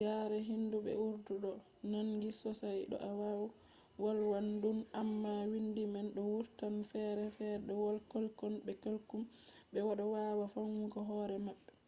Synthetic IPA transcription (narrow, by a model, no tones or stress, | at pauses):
jaɾɛɦinduɓɛ̰uɾduɗɔ | nanɡisɔsajɗɔ̰ʔawaw | walwandunamːawindimanɗɔwuɾtanfɛɾɛfɛɗɔwɔlkɔlkɔnbɛkalkumɓɛwaɗɔwawafaŋwukɔɦɔɾɛmaɓːɛ